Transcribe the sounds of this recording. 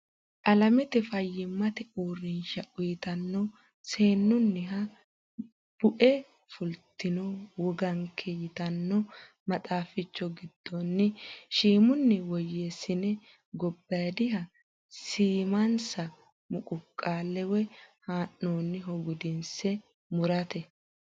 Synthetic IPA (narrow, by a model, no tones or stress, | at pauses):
ʔɐlɐmɛt̪ɛfɐjːɪmːɐt̪ɛuːrːɪnʃɐʔʊjɪt̪ɐnːɔ | se̞ːnːʊnːɪɦɐ | b̥ʊʔɛ | fʊlt̪ːɪnɔwɔɡɐŋkʰɛjɪt̪ɐnːɔ | mɐtʼaːfɪt͡ʃːɔɡɪd̪̥ːɔnːɪʃiːmʊnːɪwɔjːesɪnɛ | ɡɔbːɐjd̪ɪɦɐ | siːmɐnsɐ | mʊkʼʊkʼːaːlːɛwɛhaːnːoːnːɪɦɔɡʊd̪ɪnsɛ | mʊɾɐt̪ɛ